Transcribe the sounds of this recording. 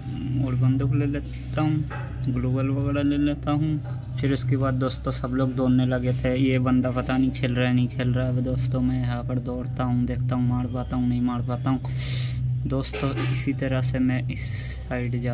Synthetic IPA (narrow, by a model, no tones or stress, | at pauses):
ɔːɾbə̃nd̪ʊkleleː | t̪aɦũː | ɡloːbəlʋəɡɛːɾaleːleːt̪aɦũː | pʰɪɾʊskebaːd̪̚ːoːst̪õsɐbloːɡ̚d̪oːnːelɐɡet̪ʰejebə̃nd̪apɐt̪anĩkʰeːlɾaɛnɐɦĩkʰeːlɾaabd̪oːst̪õmɛ̃ɦaːkəɾd̪ɔːɽt̪aɦũd̪eːk̚ʰt̪aɦũmaːɽpaːt̪aɦũnɐɦĩmaːɽpaːt̪aɦũː | d̪oːst̪õɪsit̪ɐɾəsemɛ̃ɪs | aːɪɖd͡ʒaː